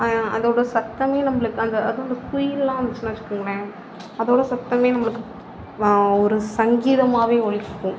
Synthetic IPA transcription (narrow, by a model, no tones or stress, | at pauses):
ɐ̰ðoːɽɐsɐt̪ːɐmeːnɐmːɐɭɯkːɯɐnd̪ɐɐðɯ̃ɐnd̪ɐkʊjɪlːãːʋɐt͡ʃːɐnaːt͡ʃːɯ̥kːɯŋɡɐɭɐ | ɐðoːɽɐsɐt̪ːɐmeːnɐmːɐɭɯkːɯ | ɔɾɯsɐŋɡiːðɐmaːʋeːɔɭɪt͡ʃːɯkːʊ̃